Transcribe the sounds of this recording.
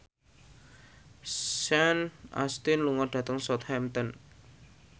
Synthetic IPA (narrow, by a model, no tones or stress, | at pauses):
sɛnʔa̰st̪ɪnluŋɔrɖ̥ä̤t̪əŋsɔt̪hɛmt̪ən